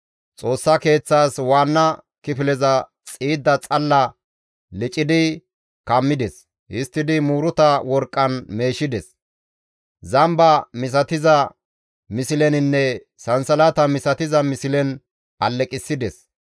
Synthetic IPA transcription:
t͡sʼo̞ːsːɐke̞ːt͡sːaːswaːnːɐ | kɪfɪlɛzɐ | t͡sʼiːd̪ːɐt͡sʼɐlːɐ | lɪt͡ʃʼːɪd̪ɪ | kɐmːɪd̪ɛs | hɪst̪ːɪd̪ɪmuːɾʊt̪ɐwɔɾkʼːɐnme̞ːʃɪd̪ɛs | zɐmbɐmɪs̬ɐt̪ɪzɐ | mɪsɪlɛnɪnːɛ | sɐnsɐlat̪ɐmɪsɐt̪ɪzɐmɪsɪlɛn | ʔɐlːɛkʼɪsːɪd̪ɛs

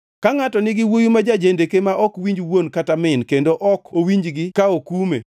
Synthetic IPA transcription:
kaŋatɔnɪɡɪwojumad͡ʒad͡ʒendekemaʔɔkwiɲd͡ʒwonkatamɪnkendoʔɔkowiɲd͡ʒɡɪkaokumḛ

